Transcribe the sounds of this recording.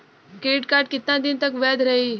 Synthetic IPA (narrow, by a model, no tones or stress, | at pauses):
keːʈkaːɾʈkɪt̪nãːd̪ɪnt̪əkʋɛːd̪ɾəɦiː